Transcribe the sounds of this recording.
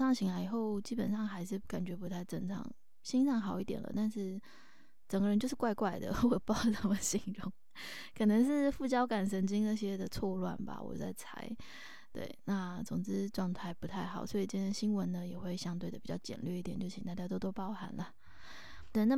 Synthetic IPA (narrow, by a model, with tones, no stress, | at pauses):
ɑ˥˩ŋɕʰi˧˥ŋla˧ɪi˨˩xo˥˩ʊt͡ɕi˥pə̰˨˩nʂɑ˥˩ŋxa˧˥ɪʂɻ̩˥˩ka˨˩nt͡ɕɥɛ˧˥pu˧˥t̪ʰa˥˩ɪʈ͡ʂə˥˩ŋʈ͡ʂʰɑ̰˧˩˦ŋ | ɕi˥nʂɑ˥˩ŋxɑ˨˩˦ʊi˥˩t̪jɛ̰˨˩nlə̰˦t̪a˥˧nʂɻ̩˥˩ | ʈ͡ʂə˨˩ŋɡə˦ɻə˧nt͡ɕjo˥˧ʂɻ̩˥˩kwa˥˧ɪkwa˥˩ɪd̪ə̰˩wɔ˨˩pɑ˥˩ʊt̪ʰa˥˩mə˨˩ɕi˧˥ŋɻɔ˥˩ŋ | kʰɤ˨˩nə˧˥ŋʂ̬ɻ̩˥˧fu˥˩t͡ɕjɑ˥ʊka˨˩nʂə˧˥nt͡ɕi˥ŋna˥˧˩ɕ̬jɛ˥d̪ə˨t͡sʰwɔ˥˧lwa̰˥˩nba̰˩wɔ̰˨˩t͡sa̰˥˩ɪt͡sʰa̰˧˥ɪ | t̪wḛ˥˩ɪna˥˧t͡sʊ˨˩ŋt͡sɻ̩˦ʈ͡ʂwɑ˥˧ŋt̪ʰa˥˧ɪpu˧˥t̪ʰa˥˩ɪxɑ˨˩ʊswɔ˧˥i˨˩ʈ͡ʂə˧˥˩ɕi˥nwə˧˦nnə˧jɛ˨˩xwe˥˩ɪɕjɑ˥ŋt̪we˥˩ɪd̪ə˩pi˨˩t͡ɕjɑ˥˩t͡ɕjɛ̰˨˩nlɥɛ˥˧i˥˩jɛ˨˩˦t͡ɕo˥˩ɕi˧˥˩t̪a˥˩t͡ɕja˥˧t̪o˥ʊt̪o˥ʊpɑ˥ʊxa˧˥nlə˨ | t̪we˥˩ɪna˥˩